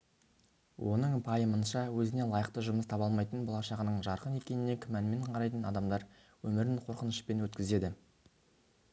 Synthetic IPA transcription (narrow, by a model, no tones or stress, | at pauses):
wʔo̞nəɴpʰɑjəmənʃɑwɵzɪne̞lˠɑjəqt̪əʒʊməst̪ʰɑpɑlˠmɑjt̪ənbolˠɑʃɑʁənəɴʒɑɾqəne̞kʲe̞nɪne̞kʲʰɪmænme̞ɴqʰɑɾɑjt̪ənɑd̪ɑmd̪ɑɾ | wɵmɪɾɪɴqʰo̞ɾqənəʃpe̞nwɵt̪kʲɪze̞d̪ɪ